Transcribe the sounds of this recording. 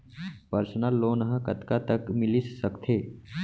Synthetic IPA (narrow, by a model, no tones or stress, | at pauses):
pəɾsənəlːoːnɦəkət̪kat̪əkmɪlissəkt̪ʰeː